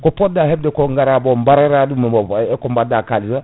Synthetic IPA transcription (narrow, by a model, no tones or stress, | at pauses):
kɔpɔdahɛb̚dɛkɔŋɡaɾabɔmbaɾaɾadumakɔmbadakaliɾa